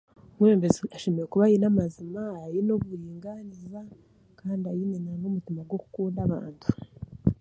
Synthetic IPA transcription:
mweːmbeziaʃemeɾekuβajinamazimaːjinoβuɾiːŋɡaniza | kaːndiajinenanomutimaɡwo̞ku̥kuːndaβa̰ːntʰu̥

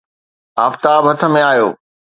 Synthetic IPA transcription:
aːft̪aːbɦɐt̪ʰə̆mẽaːjo̰ː

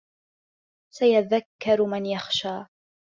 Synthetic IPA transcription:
sajaðakːɑɾmanjaxʃaː

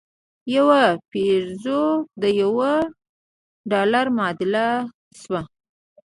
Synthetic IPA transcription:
jawapiɾzod̪əjawə | ɖɑlaɾmɑd̪ɪla | swa

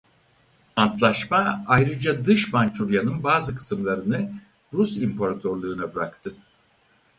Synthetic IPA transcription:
ant̪lˠaʃmaajɾɯd͡ʒad̪ɯʃmant͡ʃʰuɾjanɯnbaːzɯkʰɯ̥sɯmlˠaɾɯnɯ | ɾusimpʰaɾat̪ʰoɾlˠuːnabɯɾakt̪ʰɯ

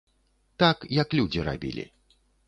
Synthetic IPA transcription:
t̪akjɐklʲud͡zʲiɾa̰bʲḭlʲḭ

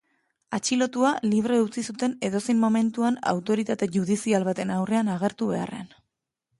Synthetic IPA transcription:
at͡ʃilo̞t̪ualiβ̞ɾe̞ut͡sisut̪e̞ne̞ðo̞se̞jmːo̞me̞nt̪uana̰wt̪o̞ɾit̪at̪e̞ʝuð̞isialβat̪e̞nawre̞anaɣ̞e̞ɾt̪uβe̞a̰rḛan

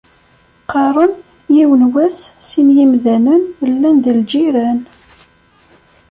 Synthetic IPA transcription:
qɑɾˤən | jiwənwæssinjimðænənəlːænd̪əld͡ʒiɾæn

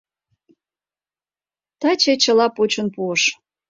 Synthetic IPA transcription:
t̪ɑt͡ɕet͡ɕəlɑpot͡ɕonpuəʃ

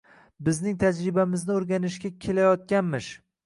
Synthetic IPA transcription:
bɪznɪŋt̪ʰad͡ʒɾɪbamɪznɪoɾɡʲanɪʃɡʲakʲʰe̞lajɒt̪̚kʲanmɪʃ

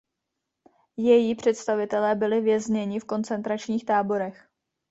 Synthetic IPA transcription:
jɛjiːpr̝̥ɛt̪st̪avɪt̪ɛlɛːbɪlɪvjɛzɲɛɲɪfko̞nt͡sɛnt̪ɾat͡ʃɲiːxt̪aːbo̞ɾɛx

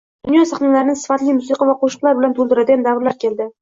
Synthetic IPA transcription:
d̪̥ʊnjɒsaχnalaɾɪnɪsɪ̥fat̪lɪjmʊsiqʰɑvaqʰoʃʊ̥qlˠaɾbɪlant̪ʰolˠd̪ɪɾad̪ɪjamd̪avɾlaɾkʲʰe̞lˠd̪ɪ

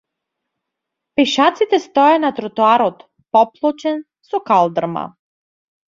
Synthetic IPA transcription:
pɛʃat̪sit̪ɛst̪ɔjanat̪ɾɔt̪uaɾɔt̪ | pɔplˠɔt͡ʃɛn | sɔkalˠd̪r̩ma̰

